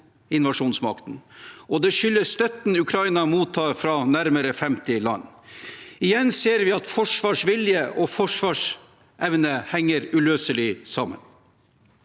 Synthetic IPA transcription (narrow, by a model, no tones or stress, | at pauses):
ɪnʋɑʂuːnsmɑ̰kt̪n̩ʔɔd̪ɛʃʏlːəst̪œt̪n̩ʉkʰɾɑɪnɑmuːt̪ʰːɑːɾfɾɑnæɾməɾəfɛmt̪ɪlɑ̰nː | ɪjɛnseːɾʋɪɑt̪fɔʂʋɑːʂʋɪljəʔɔfɔʂʋɑːʂ | ʔɛʋnəhɛŋːəɾʉløːsəlɪsɑmə̰n